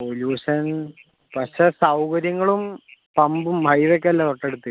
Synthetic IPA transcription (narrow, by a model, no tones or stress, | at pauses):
poljuːɕɐn | pɐɕesɐwkɐɾjɐŋːɐɭumpɐmbumbʱɐjʋek̬ːeɐlːat̪oʈːeɽut̪ːɨ